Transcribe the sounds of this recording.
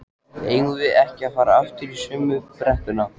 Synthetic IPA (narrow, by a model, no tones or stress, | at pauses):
ḛjŋʏvɪɛhcɪafaːɾaaft̪ɪɾisʏːmːʏpɾɛht̪ʏna